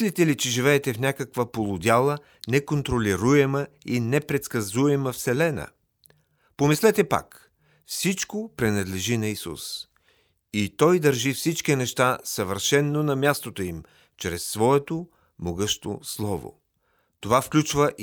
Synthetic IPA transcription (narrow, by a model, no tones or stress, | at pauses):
lit̪ɛlit͡ʃɛʒivɛːt̪ɛfnʲakəkvəpolˠʊd̪ʲalˠə | nɛkont̪ɾolʲiɾuɛməinɛpɾɛt̪skɐzuɛməfsɛlɛnə̰ | pomislɛt̪ɛpa̰k | fsit͡ʃkopɾinɐd̪lɛʒinɐisṵs | it̪ɔjd̪əɾʒifsit͡ʃkinɛʃt̪asɐvəɾʃɛnːonɐmʲjast̪ot̪oim | t͡ʃɾɛsːvɔɛt̪o | moɡɤʃt̪o̰slˠɔvo̰ | t̪ovafklʲut͡ʃvəʔ